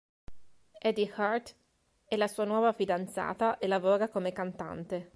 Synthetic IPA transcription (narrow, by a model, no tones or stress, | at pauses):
ɛd̪ixaɾt̪ | ɛlasuːanwɔːvafid̪ant̪sa̰ːt̪aʔelavoːɾakomekant̪a̰nt̪e